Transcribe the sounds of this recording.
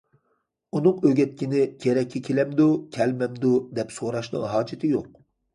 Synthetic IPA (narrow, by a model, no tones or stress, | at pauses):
unɨŋøɡʲɛt̪̚kʲinɪkʲʰeɾɛkʲʰːɛkʲʰelɛmd̪ukʲʰɛlmɛmd̪ud̪ɛpsoɾɑʃnɨ̰ŋɦɑːd͡ʒɪt̪ʰɪjoq̚